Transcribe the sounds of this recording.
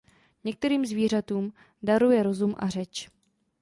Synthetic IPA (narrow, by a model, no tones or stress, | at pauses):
ɲɛk̚t̪ɛɾiːmzviːr̝at̪uːm | daɾujɛɾo̞zumʔa̰r̝ɛt͡ʃ